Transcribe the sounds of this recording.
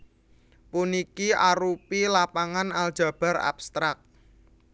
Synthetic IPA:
punikiʔaɾupilapaŋanald̥ʒ̥a̤b̥a̤ɾa̰bst̪ɾak̚

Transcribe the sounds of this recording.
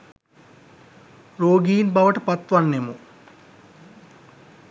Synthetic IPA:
roːɡijinbɐʋəʈəpat̪ʋanːemu

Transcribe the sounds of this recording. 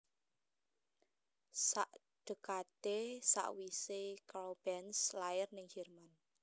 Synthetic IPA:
saʔ | ɖ̥ə̤kat̪esa̰ʔwisekab̥ɛnslaɪrnɪŋhirman

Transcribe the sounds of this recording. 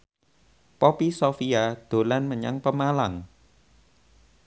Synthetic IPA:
pɔpisofiad̪̥o̤lanməɲa̰ŋpəmalaŋ

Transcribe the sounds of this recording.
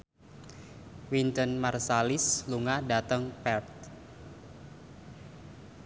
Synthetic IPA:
wint̪ənmarsalisluŋadat̪əŋpɛrt̪̚

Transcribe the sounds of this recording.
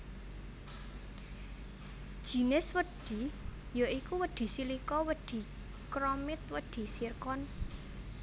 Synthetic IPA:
d̥ʒ̥i̤nɪswəd̪̥i̤ | joikuwəd̪̥i̤silikɔwəɖ̪̥i̤ | kɾɔmɪt̪wəɖ̪̥i̤sirkɔn

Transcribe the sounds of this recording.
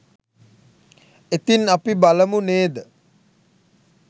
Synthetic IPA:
et̪inapibaləmuneːd̪ə

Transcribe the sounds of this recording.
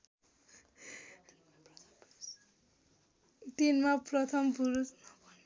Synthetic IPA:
t̪inmaprʌt̪ʰʌmpuɾusnʌbʌn

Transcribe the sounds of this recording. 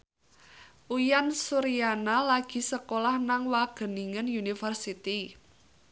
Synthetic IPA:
ʔujansuɾijanalaɡ̥i̤səkolahnaŋwaɡ̥ə̤niŋənjunifərsit̪i

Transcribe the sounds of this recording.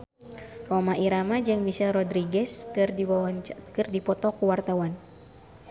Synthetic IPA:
romaiɾamad͡ʒɨŋmiʃɛlrɔdɾiɡɛs | kərdipɔt̪ɔkuwart̪awan

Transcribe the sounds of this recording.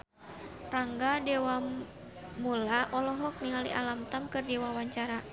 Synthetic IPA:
raŋɡadɛwa | mulaʔɔlɔɦɔk̚niŋalḭʔa̰lamt̪amkɨrdɛwawaɲt͡ʃaɾa

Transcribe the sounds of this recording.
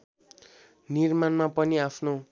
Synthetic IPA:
nirmanmapʌniapʰno

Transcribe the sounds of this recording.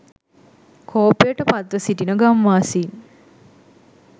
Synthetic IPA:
kʰoːpejəʈəpat̪ʋəsiʈinəɡamʋaːsin

